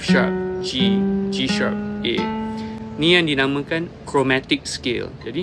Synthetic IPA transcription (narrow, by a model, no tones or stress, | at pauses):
ʃa̰p̚d͡ʒid͡ʒiʃa̰p̚e | nĩjãŋdinãmə̃kãnkɹomɛt̪ɪk̚skḛld͡ʒadi